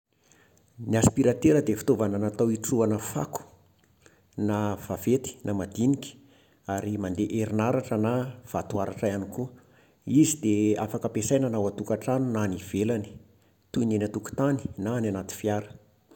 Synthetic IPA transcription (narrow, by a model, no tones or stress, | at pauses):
niaspiɾat̪eɾəd̪efi̥t̪ovananat̪awiʈ͡ʂuanəfa̰ku̥ | nav̥av̥et̪i̥namad̪iniki̥ | aɾimand̪eʔeɾinaɾaʈ͡ʂənav̥at̪uaɾaʈ͡ʂajanikuə | izid̪eafakəpesajnanawat̪ukaʈ͡ʂanunaniv̥elani̥ | t̪uinenat̪uku̥t̪ani̥naːnanat̪i̥fiaɾə̥